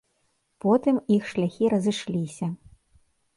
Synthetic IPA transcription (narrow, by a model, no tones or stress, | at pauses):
pɔt̪ɨmixʂlʲaxʲiɾɐzɨʂlʲisʲɐ